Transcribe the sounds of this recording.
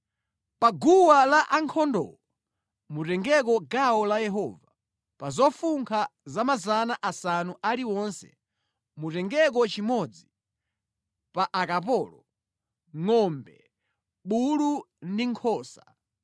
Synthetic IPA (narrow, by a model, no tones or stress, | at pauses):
paɡuwalaʔaŋkʰɔndɔ̰ɔ | mutɛŋɡɛk̬ɔɡawɔlajɛɦɔːva | pazɔfuŋkʰazamazanaʔasanuʔaɾiwɔnsɛ̥̰ | mutɛŋɡɛk̬ɔt͡ʃimɔd͡zi | paʔakapɔːlɔ | ŋɔmbɛ | ɓulu | ndiŋkʰɔːsa